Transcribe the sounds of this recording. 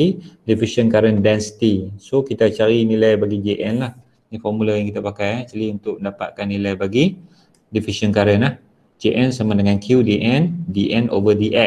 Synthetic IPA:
idifiʃənkaɾəndɛnsi̥t̪isokit̪at͡ʃaɾinilajbaɡid͡ʒeʔɛnlah | nĩfɔrmulajaŋkit̪apakajat͡ʃaliunt̪ʊk̚məndapa̰t̪̚kanːilajbaɡi | difiʃənkaɾənlah | d͡ʒeʔɛnsamadəŋãnkʰjudiʔɛndiʔɛno̰vədiʔɛ

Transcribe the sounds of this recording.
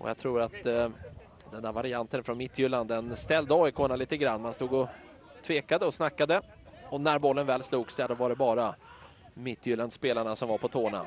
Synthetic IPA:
ɔ̰ja̰t̪ʰɾuːɾat̪ | d̪ɛnd̪æɾvaɾɪant̪ənfɾɔnmɪt̪ʰːjʏlːand̪ənst̪ɛld̪əɔːɪkʰoːnaliːt̪əɡɾanːmanst̪uːɡɔ | t̪ʰveːkad̪əɔsnakːad̪ə | ɔnæɾbɔlːənvɛːlsluːɡsɛad̪ɔvaɖɛbɑːɾa | mɪt̪ʰːjʏland̪speːlaɳasɔmvaɾpʰɔt̪ʰoːɳa̰

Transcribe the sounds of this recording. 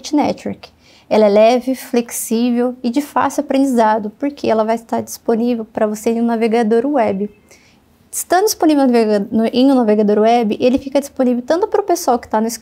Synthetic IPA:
t͡ʃɪnɛt͡ʃɛ̰ɾk | ɛlɐɛlɛvɪfleksivewɪd͡ʒɪfa̰sɪapɾẽnd͡ʒizad̪ʊpoɾkʰeɛlɐvajɪst̪aɾd͡ʒi̥sponivewpɾɐvoseẽʊ̃naveɡad̪oɾʊwɛbɪ | ɪ̥st̪ɐ̃d̪ʊd͡ʒispõnivew̪vʔẽj̃ũnaveɡad̪oɾʊɛbɪʔelɪfikɐd͡ʒisponivewt̪ɐ̃t̪ʊpaɾʊpesuawkɪ̥t̪anʊɪsk

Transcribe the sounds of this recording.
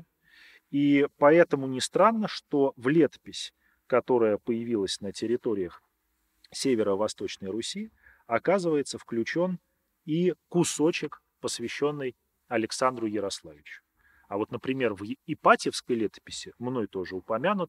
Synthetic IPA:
ipɐɛt̪əmʊnʲɪst̪ɾanːəʂt̪o̞vlʲe̞t̪ə̥pʲɪsʲ | kɐt̪o̞ɾəjəpəjɪvʲilˠəsʲnətʲɪɾʲɪt̪o̞ɾʲɪjəx | sʲevʲɪɾəvɐst̪o̞t͡ɕnəjɾʊsʲi | ɐkazɨvəjɪt̪səfklʲʉt͡ɕo̞n | ikʊso̞t͡ɕɪk | pəsvʲɪɕːo̞nːɨj | ɐlʲɪksand̪ɾʊjɪɾɐslˠavʲɪt͡ɕʊ̥ | ɐvo̞t̪nəpɾʲɪmʲe̞rvɪpatʲɪfskəjlʲet̪ə̥pʲɪsʲɪmno̞jt̪o̞ʐɨʊpɐmʲanʊt̪̚

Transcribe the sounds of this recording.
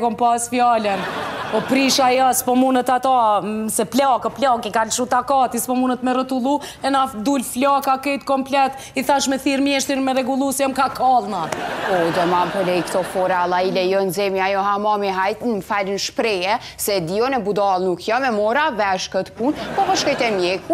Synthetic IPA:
kɔmpasfjalənpɔpɾiʃajaspɔmunət̪at̪asɛplakɔplɔkikalʃut̪akat̪ispɔmunət̪mɛrət̪ulˠu | ɛnad̪ulflakakɛjt̪kɔmplɛt̪ | iθaʃmɛθiɾmjɛʃt̪ɾinmɛɾɛɡulˠusɛmkakʰɔlˠnapɔd̪ɛmampɔlɛjkt̪ɔfɔɾalˠailɛjɔnzɛmjiajɔɦamɑmiɦajt̪nfalənʃpɾɛɛ | sɛd̪iɔnɛbud̪ɑlˠnukʰjɔmɛmɔɾavɛʃkət̪punpɔvəʃkɔjt̪ɛmjɛku

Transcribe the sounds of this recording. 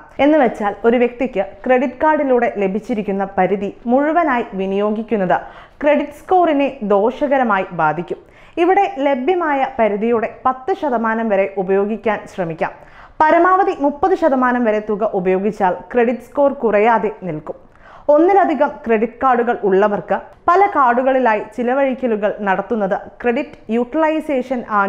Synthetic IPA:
e̞nːɨʋet͡ɕːaːlo̞ɾuʋjek̚t̪ikʲːɨkre̞ɽiʈkaːɽiluːɽe̞le̞bʱit͡ɕːiɾikʲːunːɐpɐɾuðimuɻuʋɐnaːjiʋinijo̞ːɡikʲːunːɐðɨkre̞ɽiʈsko̞ːrine̞d̪o̞ːʂɐɣɐɾɐmaːjibaːd̪ʱikʲːum | iʋiɽe̞le̞bʱjɐmaːjɐpɐɾuðijuɽe̞pɐt̪ːɨɕɐðɐmaːnɐmʋɐɾe̞ʔubɐjo̞ːɡikʲːaːnɕrɐmikʲːa̰ːm | pɐɾɐmaːʋɐðimupːɐðɨɕɐd̪ɐmaːnɐmʋɐɾe̞t̪uɣɐʔubɐjo̞ːɡit͡ɕːaːlkre̞ɽiʈːsko̞ːrkurɐjaːðe̞nilkum | o̞nːilɐd̪ʱiɣɐmkre̞ɽiʈkaːɽuɣɐɭuɭːɐʋɐrkɨpɐlɐkaːɽuɣɐɭilaːjit͡ɕilɐʋɐɻikʲːɐluɣɐɭnɐɽɐt̪ːunːɐðɨkre̞ɽiʈːɨ̥juʈːilɐjse̞ːʂɐnaː

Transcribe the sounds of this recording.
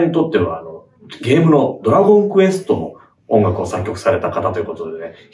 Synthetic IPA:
ɲ̟it̪o̞t̪ːe̞βaːno̞ | ɡe̞ːmɯ̟no̞d̪o̞ɾaɡõ̞ŋkɯ̟e̞sɨ̥t̪o̞no̞̰ | õ̞ŋɡakɯosakʲːo̞kɯ̥saɾe̞t̪akat̪at̪o̞jɯ̟kot̪o̞dene

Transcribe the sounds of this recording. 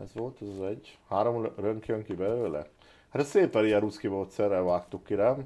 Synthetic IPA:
ɛ̰zʋo̞lt̪ɛzɑzɛɟhaːɾo̞mrøŋkjøŋkibɛløːlɛ̰ | aɾɛseːpɛɾijɛɾut̪skimoːt̪sɛrːɛlvaːkt̪ukːiɾɛ

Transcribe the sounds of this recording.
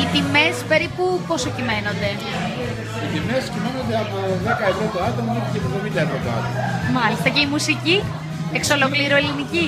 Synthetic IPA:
it̪ime̞spe̞ɾipuposocime̞no̞nd̪e̞ | it̪ime̞scimeno̞nd̪eɐpoðe̞kɐevɾot̪oat̪omɐnecepuðemit̪eɾot̪oa̰t̪omɐmɐlist̪ɐce̞imusici | ekso̞lo̞kliɾuelinici

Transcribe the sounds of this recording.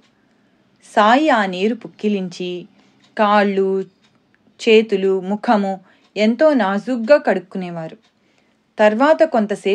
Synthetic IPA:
saːjiaːniːɾupukːiliɲt͡ʃi | kaːɭːu | t͡ʃeːt̪ulumukʰɐmu | ent̪o̞ːnaːzuɡːaːkɐɽukːunɛːʋaːɾu | t̪ɐɾʋaːt̪ɐko̞nt̪ɐseː

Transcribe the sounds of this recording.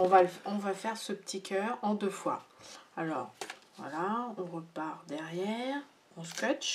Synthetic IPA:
ɔ̃valɔ̃vafɛʁsəpət̪ʰikʰʲœʁɑ̃d̪øfwa̰alɔ̰ːʁvwa̰laɔ̃ʁəpaʁd̪ɛʁjɛʁ | ɔ̃skɔt͡ʃ

